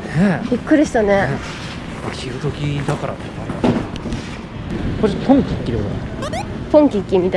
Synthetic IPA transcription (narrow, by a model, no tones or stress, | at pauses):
ebʲikːɯ̟ɾʲiɕi̥t̪ane̞ | aɕiɾɯ̟t̪okʲid̪akaɾat̪ | aimase | koɾpʰõŋkʲikʲːiɾɯβa̰ | põŋkʲikʲːimʲit̪a